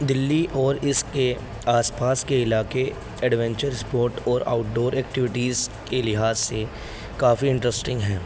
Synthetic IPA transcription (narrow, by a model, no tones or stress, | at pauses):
d̪ɪlːiʔɔːɾɪske | aːspaːskeɪlaːke | ɛɖʋɛ̃ɲt͡ʃəɾɪspoːɾʈɔːɾa̰ːʊʈɖoːɾɛːkʈɪʋɪʈiːzkelɪɦaːzːe | kaːfiɪ̃ɳʈɾəsʈɪ̃ŋɡɦɛː